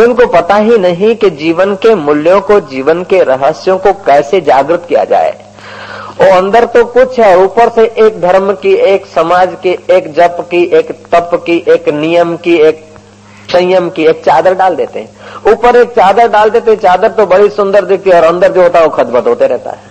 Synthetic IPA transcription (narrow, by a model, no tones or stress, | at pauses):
ʊnkopɐt̪aɦinɐɦĩkid͡ʒiːʋənkemʊljõkod͡ʒiːʋənkeɾəɦəsjõkokɛːsed͡ʒaːɡɾɪt̪kija̰d͡ʒa̰ːḛ | ɔːɐ̃nd̪əɾt̪okʊt͡ʃʰɦɛɔːɾuːpəɾseʔeːk̚d̪ʱɐɾmkieːksɐmaːd͡ʒkieːkd͡ʒəpkiʔeːkt̪əpkiʔeːknijəmkieːk̚ | sə̃jəmkieːk̚t͡ʃaːd̪əɾɖaːld̪eːt̪ḛɦɛ̃uːpəɾeːk̚t͡ʃaːd̪əɾɖaːld̪eːt̪eɦɛ̃t͡ʃaːd̪əɾt̪obɐɽisʊ̃nd̪əɾd̪ek̚t̪iɔːɾɐ̃nd̪əɾd͡ʒoɦoːt̪aɦɛokʰɐt̪bət̪ɦoːt̪eɾɛɦt̪a̰ɦɛː